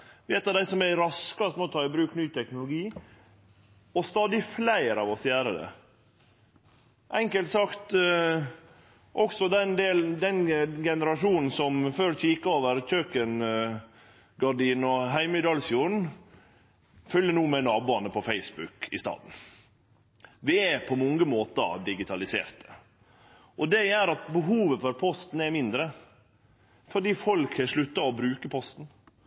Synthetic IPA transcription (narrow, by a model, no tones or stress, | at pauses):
ʋɪɛt̪ɑd̪æɪsɔmæɾɑskɑst̪moɔːt̪ʰɑːɪbɾʉːknyːt̪ʰɛknʊlʊɡiː | ɔst̪ɑːd̪ɪflæɪɾɑʋɔsjæːɾəd̪ɛ̰ | ʔɛŋkəlt̪sɑkt̪ | ʔɔksɔd̪ɛnd̪eːld̪ɛnɡɛnəɾɑʂuːnn̩sɔmføːɾçiːkəoːʋəɾc͡çøːkən | ɡɑɖiːnɔɦæɪmɪd̪ɑlsjuːɾɳ̩ | fœljənuːmɛnɑːbuːɑnəpʰɔfæɪsbʉkɪ̰st̪ɑ̰ːd̪n̩ | ʋɪæpʰɔmɔŋɡəmoːt̪ə̰d̪ɪɡɪt̪ʰɑlɪsḛːɾt̪ə̥ | ʔɔd̪ɛjæɾɑt̪bəɦuːʋəfɔɾpʰɔst̪n̩ɛmɪnd̪ɾə | fɔɖiːfɔlkhɛʂɭʉt̪ːɑɔbɾʉːkəpʰɔst̪n̩